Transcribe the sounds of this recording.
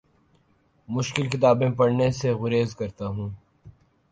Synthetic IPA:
mʊʃkɪlkɪt̪aːbẽpɐɽneseɣʊɾeːzkɐɾt̪aɦũː

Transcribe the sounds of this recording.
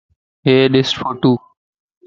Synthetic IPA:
ɦeːɗɪsfoʈ̪uː

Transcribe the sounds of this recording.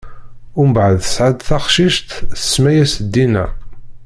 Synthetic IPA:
ʊɾməbʕəðəsʕad̪θɑχʃiʃt̪ə̥smæjæsd̪ːinæ̰

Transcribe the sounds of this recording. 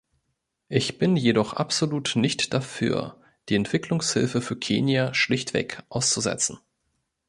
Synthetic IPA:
ʔɪçb̥ɪnjedɔχʔa̰pz̥oluːtnɪçtd̥afy̰ːɐ | d̥iːɛntv̥ɪkʰlʊŋshɪ̰lfəfyːɐkʰeːnjaʃlɪçtv̥ɛ̰ːkʔaʊst͡suzɛ̰t͡sn̩

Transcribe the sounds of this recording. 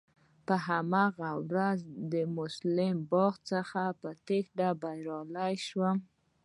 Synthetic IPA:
pəɦamaɣawɾazd̪əmʊslɪmbɑɣt͡səxapət̪exɖabajɾɑlajʃwəm

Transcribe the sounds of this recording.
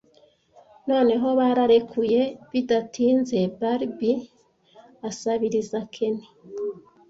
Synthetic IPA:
no̞ːne̞ɦo̞βaɾaɾe̞kʰuje̞βidatʰiːnze̞baɾbi | asaβiɾizakʰe̞ne

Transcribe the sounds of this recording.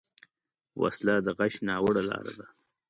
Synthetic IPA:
wa̰slad̪əɣaʃnɑːwəɽalɑ̰ːɾa̰d̪a

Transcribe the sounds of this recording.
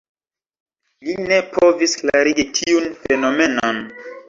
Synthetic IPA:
line̞pʰo̞visklaɾiɡitʰiunfe̞no̞me̞non

